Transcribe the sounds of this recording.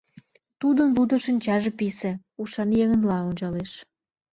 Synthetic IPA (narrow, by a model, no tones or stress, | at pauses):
t̪ud̪ənlud̪ə̆ʃənʲt͡ɕɑʒepisĕ | uʃɑnjeɣənlɑonʲt͡ɕɑleʃ